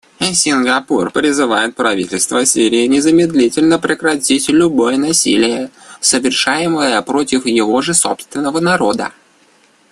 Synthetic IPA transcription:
sʲɪnɡɐpurpɾʲɪzɨvajɪt̪̚pɾɐvʲitʲɪlʲst̪vəsʲiɾʲɪːnʲɪzəmʲɪd̪lʲitʲɪlʲnəpɾʲɪkɾɐtʲitʲlʲʊbojənɐsʲḭlʲɪjə | səvʲɪrʂajɪməjəpɾo̞tʲɪfjɪvo̞ʐɨso̞pst̪vʲɪnːəvənɐɾo̞d̪ə̰

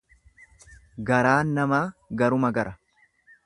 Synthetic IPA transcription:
ɡɐɾaːnːɐmaːɡɐɾʊmɐɡɐɾʔɐ

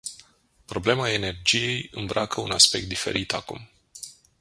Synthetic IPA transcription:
pɾo̞ble̞mae̞ne̞rd͡ʒije̞jɨmbɾakəunaspe̞k̚t̪̚d̪ife̞̰ɾit̪akṵm

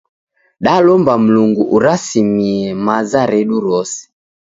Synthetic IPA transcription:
ɗalɔmbam̩luŋɡuʔuɾasimiɛmazaɾɛɗuɾɔsɛ̥

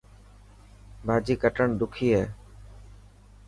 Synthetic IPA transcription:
bʱaːd͡ʒiːkəʈəɳd̪ʊkʰiːɦɛː

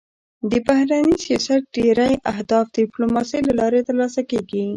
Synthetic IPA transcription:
d̪əbahɾanisjɑsat̪̚ɖeɾajʔaɦd̪ɑfd̪əiplomɑsəjlalɑɾet̪əɾlɑsakeɡi

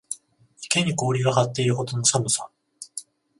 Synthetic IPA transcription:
i̥ke̞ɲ̟iko̞ːɾʲiɡaɦat̪ːe̞iɾɯ̟ɦo̞t̪ono̞samɯ̟sa

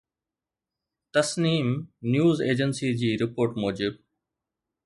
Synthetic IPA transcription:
t̪ɐsniːmnjuːzḛːd͡ʑənsid͡ʑiːɾɪpoːɾʈmoːd͡ʑɪb̚

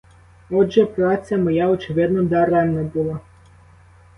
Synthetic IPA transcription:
ɔdʒɛpɾat̪sʲjɐmɔjaɔt͡ʃɪʋɪd̪nɔd̪aɾɛnnɐbulˠa

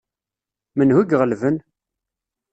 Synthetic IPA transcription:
mənhuɡʁəlvən

